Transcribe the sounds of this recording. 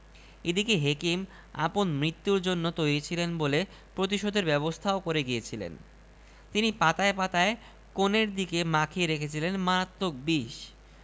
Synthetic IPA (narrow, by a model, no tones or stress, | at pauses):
ed̪ikeɦekim | a̰ponmɾit̪ːuɾd͡ʑonːot̪ojɾit͡ɕʰilenbole | pɾot̪̬iʃod̪ʱeɾbɛβost̪ʰaokoɾeɡiet͡ɕʰilḛn | t̪inipat̪aepat̪ae | koneɾd̪ikemakʰieɾekʰet͡ɕʰilenmaɾat̪ːok̚biʃ